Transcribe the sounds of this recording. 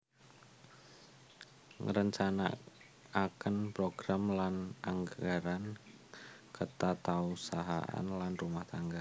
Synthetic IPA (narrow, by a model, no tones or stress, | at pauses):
ŋɾəɲt͡ʃana̰ | akənpɾoɡ̥ɾamlanʔaŋɡaɾan | kət̪at̪ausaɦa̰ʔa̰nlanrumaht̪aŋɡa